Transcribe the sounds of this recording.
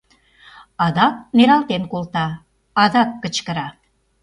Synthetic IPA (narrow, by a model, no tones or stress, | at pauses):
ɑd̪ɑk̚neɾɑlt̪enkolt̪ɑː | d̪ɑkːə̆t͡ɕkə̆ɾɑ